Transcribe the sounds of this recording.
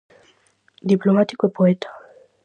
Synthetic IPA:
d̪iplomat̪i̥koepoet̪ḁ

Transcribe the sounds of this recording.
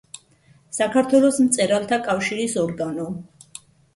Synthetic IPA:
sakʰaɾt̪ʰwɛlˠɔsmt̪sʼɛɾalˠt̪ʰakʼafʃiɾisɔɾɡanɔ

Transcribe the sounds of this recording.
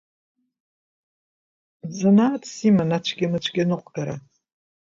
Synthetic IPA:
zanatʰʼsimanat͡ʃʷʰɡʲimɨt͡ʃʷʰɡʲanɨqʷʼɡaɾa

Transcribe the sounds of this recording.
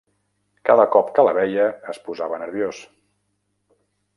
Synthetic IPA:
kaðəkɔpkələβɛjəːspuzaβənəɾβjos

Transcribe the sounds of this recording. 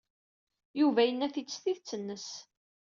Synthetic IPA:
juvæjənːæθit͡sːθiðt͡sːənːəs

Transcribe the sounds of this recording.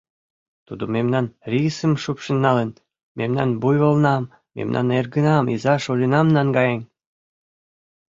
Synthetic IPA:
t̪ud̪omemnɑnrʲisəmʃupʃənːɑlen | memnɑ̰nbujŏlnɑmː | ḛmnʔɑ̰nerɡənɑmizɑʃolʲinɑmnɑnɡɑjenʲ

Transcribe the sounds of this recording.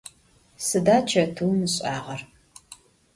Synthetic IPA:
sɨdaːt͡ʃʰɐtʰuːmɨɕʼaːʁɐr

